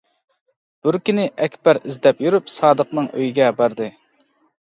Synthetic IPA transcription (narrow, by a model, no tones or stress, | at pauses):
b̥yɾkʲinɪʔɛkʲbæɾizd̪ɛpjyɾypsɑːd̪əqnɨŋʔø̰jiɡʲɛbɑɾd̪ɨ